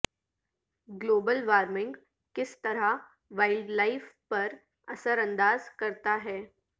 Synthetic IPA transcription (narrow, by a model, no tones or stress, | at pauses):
ɡloːbəlʋaːɾmɪ̃ŋɡ | kɪst̪ɐɾa | ʋaːɪlɖlaːɪfpɐɾ | ɐsəɾɐ̃nd̪aːzkɐɾt̪aɦɛː